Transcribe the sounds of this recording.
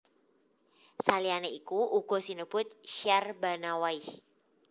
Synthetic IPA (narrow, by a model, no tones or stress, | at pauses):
salianeikuʔuɡ̥o̤sinəbʊt̪̚ʃiarbanawaih